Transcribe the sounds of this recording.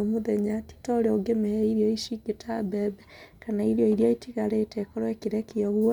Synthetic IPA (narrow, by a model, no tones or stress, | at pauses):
moðɛɲati̥tɔɾɛoɡemeɛiɾiɔiʃiɡetʰabɛbɛkanaiɾiɔiɾjaitiɣaɾetɛkɔɾwɛkiɾɛkiɔβuɔ